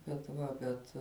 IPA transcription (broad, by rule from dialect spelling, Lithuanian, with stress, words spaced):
bʲɛt ˈʋɐ bʲɛt